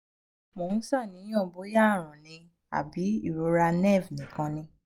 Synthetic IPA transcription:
mõ˨ñ̩˦sa˦˨nĩ˨˦j̃ɔ̃˦˨bo˨˦ja˦˨ɾ̃ũ˨nĩ˧ | a̰˨bi˨˦i˦˨ɾo˨˧˦ɾa˧nɛ˦˨vnĩ˨kã˧nĩ˧

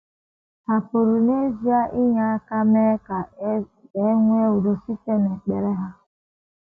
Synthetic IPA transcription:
ha˨po˨ɾu˨ne˦zi˦a˦ʔi˦ɲa˦ka˦me˦ka˨ | e˦ŋʷ˦e˦u˨do˨si˦te˦ne˨k͡pe˨ɾe˦ɦa˦

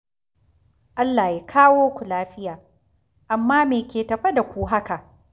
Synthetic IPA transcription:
ʔa˦lːaː˨je˦kʰaː˦woː˦kʷu˨laː˦ɸɪ˦jaː˨ | ʔa˨mːaː˦meː˨kʲeː˨tɐ˨ɸɐ˦da˨kʷuː˦ɦa˦ka˨ʔ

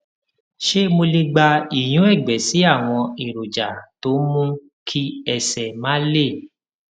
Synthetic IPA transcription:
ʃe˦mo˧le˧ɡ͡ba˧i˨j̃ũ˨˦ɛ˦˨ɡ͡bɛ˨si˨˦a˦˨w̃ɔ̃˧i˨ɾo˨d͡ʒa˨to˨˦mũ˦ | kʰi˦ɛ˧sɛ˨mã˦le˦˨

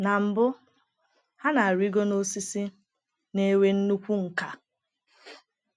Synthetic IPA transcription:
na˨m̩˨bʊ˦ | ha˦na˨a˨ɾi˦ɡo˦no˦si˦si˦ | ne˦we˦n̩˦nu˦kʷu˦ŋ̩˨ka˨

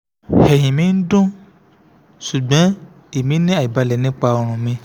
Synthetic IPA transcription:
hɛ˨ɦĩ˨mĩ˨˦n̩˦dũ˦ | ʃu˨ɡ͡bɔ̃˨˦ | i˨mĩ˨˦nĩ˦a˨i˨ba˧lɛ˨nĩ˨˦k͡pa˧ɔ˧ɾ̃ũ˨mĩ˧

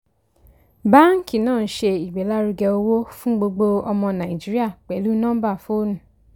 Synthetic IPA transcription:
ba˦ŋ̩˦ki˨nɔ̃ː˦˨n̩˨˦ʃe˧i˨ɡ͡be˨la˦ɾu˧ɡɛ˧o˧wo˦fũ˦ɡ͡bo˧ɡ͡bo˧ɔ˧mɔ̃˧na˨i˨d͡ʒi˦ɾi˦a˦˨k͡pɛ˨lu˦nɔ̃˦m̩˦ba˦˨fo˦nũ˨

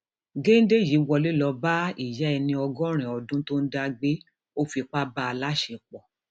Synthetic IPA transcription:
ɡe˦n̩˦de˦˨ji˨˦wɔ˧le˦lɔ˧ba˦i˦˨jɛ˨˦ɛ˧nĩ˧ɔ˧ɡɔ̃˦ɾ̃ɛ̃˨ɔ˨dũ˦to˦n̩˦da˧ɡ͡be˦ | o˦fi˧k͡pa˦ba˦a˧la˦ʃe˧˨k͡pɔ˨

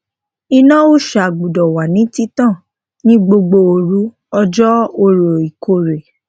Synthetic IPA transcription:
i˧nã˦o˦˨ʃa˨ɡ͡bu˨dɔ˨wa˨nĩ˨˦ti˦tã˦˨ | nĩ˦ɡ͡bo˧ɡ͡bo˧o˨ɾu˨˦ | ɔ˧d͡ʒɔ˦o˧ɾo˨i˨kʰo˦˨ɾe˨

